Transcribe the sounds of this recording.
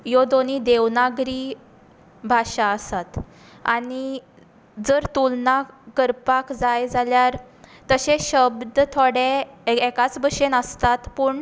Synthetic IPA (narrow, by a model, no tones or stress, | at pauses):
jod̪oniːd̪eʋnaɡɾi | bʱaɕaəsat̪ | a̰ɽi | d͡zəɾt̪ulnakəɾpakd͡zajd͡zaljaɾ | t̪əɕeɕəbd̪t̪ʰoɽeɛkat͡sbəɕenəst̪at̪pəːɳ